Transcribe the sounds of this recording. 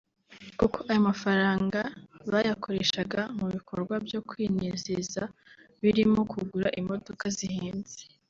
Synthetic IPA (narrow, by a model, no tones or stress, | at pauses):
kukoʔajomafaɾaːŋɡaβajakʰo̞ɾe̞ʃaɡamuβikʰo̞ɾɡwabjo̞kwiːnezezaβiɾimo̞kʰuɡuɾaʔimo̞do̞kazihiːnz̥e̥